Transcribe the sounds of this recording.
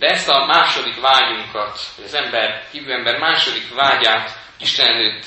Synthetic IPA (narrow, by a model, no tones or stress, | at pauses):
d̪ɛɛst̪ɒmaːʃo̞d̪ikvaːɟuŋkɒt̪hoɟɒzɛmbɛrhiːvyːɛmbɛrmaːʃo̞d̪ikʋaːɟaːt̪ | iʃt̪ɛnɛløːt̪ː